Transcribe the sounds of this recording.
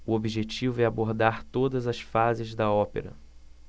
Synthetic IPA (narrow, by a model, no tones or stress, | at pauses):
uobiʒet͡ʃivʊɛaboɾd̪aɾt̪od̪ɐzɐsfazɪzd̪ɐɔpḛɾɐ̰